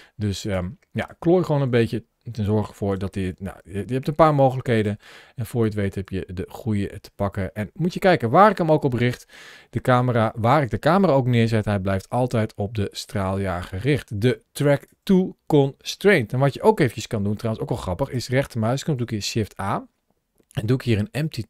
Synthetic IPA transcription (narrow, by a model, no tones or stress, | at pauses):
døsə | ja̰kloːjχʋoːnənbejtə | tɛnzɔɹχəfʊːɹdɔtəna̰jjəɦɛptənpaːɹmowxələkɦejdən | ɛnfʊːɹjətʋejtɦɛpjədəχujətə̥pɑkəʔɛnmutjəkɛjkəʋaːɹɪkəmowkɔprɪxtd̥əkaːməraːʋaːrɪk̚dəkaːməraːowknɪəɹzɛtɦɛjblɛjftɑlˠtɛjtɔp̚dəstraːlˠjaːχərɪχtdətrɛktukɔnstrejntɛnʋɑtjəʔowkejvənt͡ʃəskɑnduntrawənsoːkɛlˠxrɑpəχɪsrɛχtəmœɥskəmdukiʃɪftaː | ɛnduɪkɦiːɾənɛmti